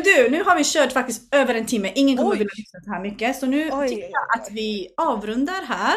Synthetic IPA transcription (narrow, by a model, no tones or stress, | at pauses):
d̪ʉnʉ̟ːɦaɾvɪɕøːʈfakt̪ɪst̪øːvəɾɛnt̪ʰɪmːəʔɪŋːənkʰɔmːəɾvɪlːafɪksaɛhæːɾmʏkːəsɔnʉ̟ːʏkːəjɑːʔat̪vɪɑːvɾɵnd̪aɾɦæːɾ